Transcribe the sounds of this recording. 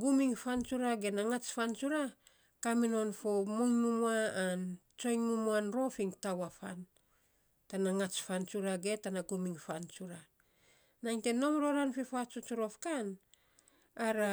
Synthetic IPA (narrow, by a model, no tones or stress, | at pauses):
ɡumiŋfant͡ʃuɾaɡe̞naŋat͡ʃfant͡ʃuɾa | kamino̞nfo̞muŋmumuaːn | t͡ʃo̞jŋmumuanɾo̞fiŋtawafa̰n | tanaŋat͡ʃfant͡ʃuɾaɡe̞tanaɡumiŋfant͡ʃuɾa | naŋte̞no̞mɾo̞ɾanfifat͡ʃut͡ʃuɾo̞fkan | aɾa